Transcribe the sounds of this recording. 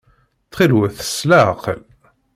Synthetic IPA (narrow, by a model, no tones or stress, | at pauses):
t͡sːχilwæθə̥slæqəl